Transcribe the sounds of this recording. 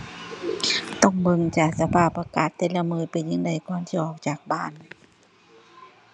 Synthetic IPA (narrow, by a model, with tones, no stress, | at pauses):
t̪ɔ˧˥˩ŋbɯ˧˨ŋt͡ɕaː˨˩k̚sa˧pʰaː˧˩pːa˧kaː˨˩t̪ːe˧˥la˧mɯː˧˩˨pa˨˩jɲɯ˧˨ŋda˧˩jkɔː˧˨nt̪ʰiː˧˩ʔɔː˨˩k̚t͡ɕaː˨˩k̚baː˧˥˨n